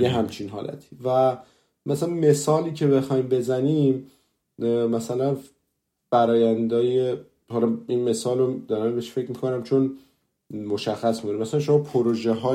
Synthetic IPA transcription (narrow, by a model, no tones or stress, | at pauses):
jeɦæmt͡ʃʰinɦɒːlʔæ̰t̪ʰi̥væ | mæsælænme̞sɒːliːcʰe̞be̞xɒːjmbe̞zænim | mæsælæn | b̥æɾɒːjænd̪ɒːje | hɒlɒinme̞sɒːlod̪ɒːɾæmbeʃfe̞cmikʰonæmt͡ʃʰo̞n | mo̞ʃæxːæsmikonimæsælænʃo̞mɒpʰoɾoʒeɦɒː